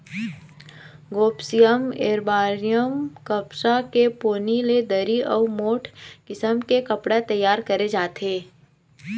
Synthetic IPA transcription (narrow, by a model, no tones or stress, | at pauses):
ɡoːpsijəmḛːɾbaːɾijəmkɐpsakepoːniled̪əɾiʔɔːmoːʈʰkɪsəmkekɐpɽat̪ɐjːaːɾkɐɾed͡ʒaːt̪eː